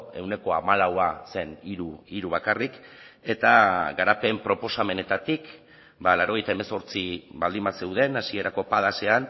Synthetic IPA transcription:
e̞wne̞ko̞amalawase̞niɾuiɾuβ̞akarike̞t̪aɣaɾape̞mpɾo̞po̞same̞ne̞t̪at̪ik | balaɾo̞ɣ̞e̞jt̪ae̞me̞so̞ɾt͡siβald̪imbase̞wðe̞nasie̞ɾako̞pað̞ase̞an

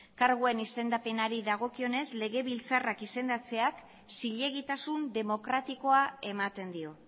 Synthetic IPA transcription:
kaɾɣue̞nise̞nd̪ape̞naɾiðaɣ̞o̞kio̞ne̞zle̞ɣe̞βilt͡sarakise̞nd̪at͡se̞ak | siʎe̞ɣ̞it̪asund̪e̞mo̞kɾat̪iko̞ae̞mat̪e̞nd̪io̞

